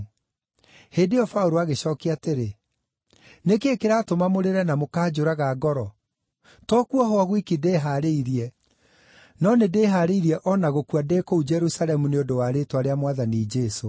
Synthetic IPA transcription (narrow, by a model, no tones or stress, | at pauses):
heːdeɔfauɾoaɣeɕɔːkeateɾe | nekeːkeɾatomamoɾeɾɛnamokaːd͡ʑoɾaɣaɡɔɾɔ | tɔkuɔɦwaɣwikideːɦaɾeiɾiɛ | nɔnedeːɦaɾeiɾiɛʔɔnaɣokwadeːkoud͡ʒɛɾusalɛmuneodowaɾetwaɾeamwaðanid͡ʒeso